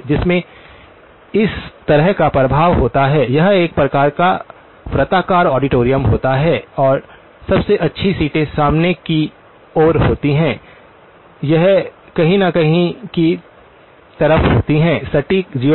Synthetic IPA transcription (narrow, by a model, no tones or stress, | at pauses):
d͡ʒɪsmẽ | ɪst̪ɐɾəɦkapɾɐbʱaːʋɦoːt̪aɦɛjɐɦeːk̚pɾɐkaːɾka | fɾɐt̪aːkaːɾɔːɖɪʈoːɾijəmɦoːt̪aɦɛːɔːɾ | sɐbseʔɐtːʃʰisiːʈẽsaːmneki | oːɾɦoːt̪iɦɛ̃ː | jɐɦkɐɦĩnɐkɐɦĩki | t̪ɐɾəfɦoːt̪iɦɛ̃ːsɐʈikd͡ʒiː